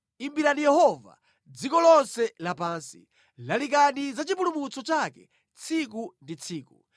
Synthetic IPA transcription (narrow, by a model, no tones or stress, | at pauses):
imbiɾanijɛhɔva̰ | d͡zikɔlɔnsɛlapaːnsḭ | lalik̬anizat͡ʃip̬ulumut͡sɔt͡ʃakɛ̰ | t͡sʰikundit͡sʰiːku